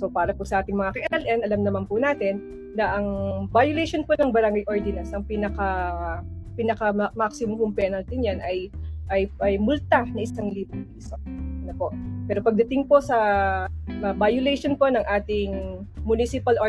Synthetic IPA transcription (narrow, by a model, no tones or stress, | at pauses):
sopaːɾɐpʊsɐʔaːt̪ɪŋmɐŋakɐʔɛɛlʔɛnʔɐlɐmnɐmampʊnaːt̪ɪnː | ɐʔɐŋbajʊlɛjʃonponɐŋbɐɾɐŋɡajʔoɹd̪ɪnɐsʔɐŋpiːnɐka | pinɐkɐmaksɪmʊmpʊŋpɛnɐlt̪ɪnjanʔɐjʔɐjʔɐjmʊlt̪anɐŋʔɪsaŋliːbʊŋpiːsoɐnopo̞ʔpɛːɾopɐɡ̚d̪ɐt̪ɪŋpo̞sɐ | ɐbajʊlɛjʃonpo̞nɐŋʔaːt̪ɪŋmʊnisɪpɐlʔo